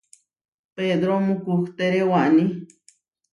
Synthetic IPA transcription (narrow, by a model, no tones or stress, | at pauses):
ped̪ɾomũkukt̪eɾewaʔni